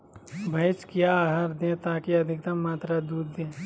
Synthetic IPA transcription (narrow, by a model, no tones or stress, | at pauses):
bʱɐt͡ʃkjaɦəɾd̪ẽt̪aːkiɐd̪ʱɪkt̪ɐmːaːt̪ɾad̪uːd̪ːẽː